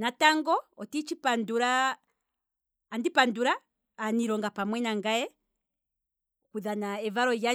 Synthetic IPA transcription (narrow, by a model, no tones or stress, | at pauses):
nataŋɡɔɔtit͡ʃipanduɾa | ndipanduɾaː | niɾɔŋɡapamwɛnaŋɡaɛ | kuðanaɛvaɾɔja